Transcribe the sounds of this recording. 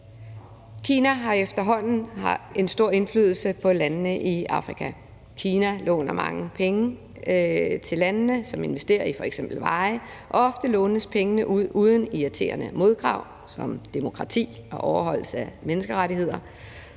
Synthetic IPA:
kʰiːnæɦɑ̈efd̥ɐɦɒ̽n̰n̩hɑe̝nsd̥o̝ɐ̰e̝nflyð̞ˠl̩səpʰɒ̽lænnəʔiɑ̈fʁikʰæ | kʰiːnælɔ̰̽ːnɐmɑ̈ŋəpʰeŋə | t͡sʰe̝lːænnəsɒ̽me̝nʋesd̥e̝̰ːɐifɒ̽eɡ̥semb̥l̩ʋɑ̈ɪʔɒ̽ɒ̽fd̥əlɔ̽ːnəðspʰeŋənəʔuð̞̰ˠuːð̞ˠən̩iæt͡sʰe̝̰ːɐnəmo̝ð̞ˠɡ̥ʁɑ̈ʊ̰ | sɒ̽md̥emo̝kʰʁɑ̈t͡sʰḭːɒ̽ʔɒʊɐɦɒ̽l̰səæmenəsɡ̥əʁaɾiɦe̝ð̞̰ˠɐ

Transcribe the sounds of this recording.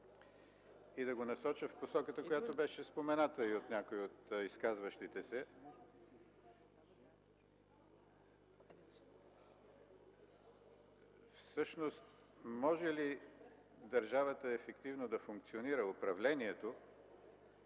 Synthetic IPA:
id̪ɐɡonɐsɔt͡ʃəfposɔkət̪əkojat̪obɛʃɛspomɛnat̪əiot̪nʲakoiot̪iskazvəʃt̪it̪ɛsɛ | fsɤʃnost̪ | mɔʒɛli | d̪ɐɾʒavət̪əɛfɛkt̪ivnod̪ɐfʊŋk̚t̪sioniɾəʊpɾɐvlɛniɛt̪o

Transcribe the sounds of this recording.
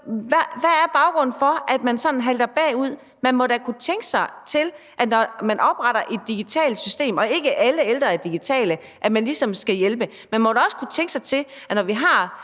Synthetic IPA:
ʋæʋææɐb̥ɑ̈ʊɡ̥ʁɔ̽nn̩fɒ̽ʔæd̥mænsɒ̽nn̩ɦæld̥ɐb̥ɛ̰ːuð̰ˠ | mænmɒ̽ɾ̥ækʰut͡sʰeŋɡ̥əsɑ̈ɪt͡sʰe̝l | ʔænɒmænʔɒ̽b̥ʁɑ̈ɾ̥ɐʔe̝d̥ːiɡ̥it͡sʰɛ̰ːld̥sysd̥e̝̰ːmɒ̽e̝ɡ̥əʔæləeld̥ʁɐæd̥iɡ̥it͡sʰɛ̰ːlə | ʔæmænlisɒ̽msɡ̥æjelb̥ə | mænmɒɾæɒ̽sə̥kʰut͡sʰeŋɡ̥əsɑ̈ɪt͡sʰe̝l | ænɒʋiɦɑ̈

